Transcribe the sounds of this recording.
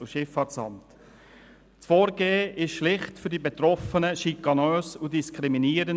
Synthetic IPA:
uʃɪfːɑːtsɑ̰mt | t͡sfɔːɾɡ̥eːəʔɪʃʃlɪχtfʏɾdibɛt̪ɾɔfənəʃikːɑnøːsudiskʰɾiminiːɾən

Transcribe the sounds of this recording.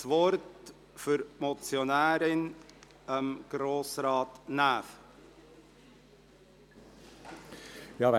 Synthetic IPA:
svɔɾt | fyɾmɔt͡sjonæːɾɪn | əmɡ̥ɾoːsɾɑːtnæːf | jɑ

